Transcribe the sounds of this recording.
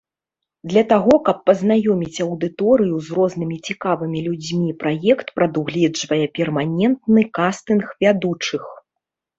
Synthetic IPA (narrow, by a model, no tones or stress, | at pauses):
d̪lʲɐt̪aɣɔkɐpːɐznajɔmʲit͡sʲɐwd̪ɨt̪ɔɾɨjuzrɔzn̪ɨmʲit͡sʲikavɨmʲilʲud͡zʲmʲipɾajɛkt̪pɾɐd̪uɣlʲɛd͡ʐvɐjɛpʲɛrmanʲɛnt̪nɨkast̪ɨnxvʲad̪ut͡ʂɨx